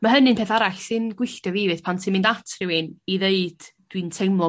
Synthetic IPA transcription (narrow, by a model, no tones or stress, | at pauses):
maɦənɨnpeːθaɾaɬsɨnɡwɪɬtɔviːvɨð̥pʰantʰɪmɪndatʰrɪwɪniðeɨd̥d̥wintʰejmlˠɔ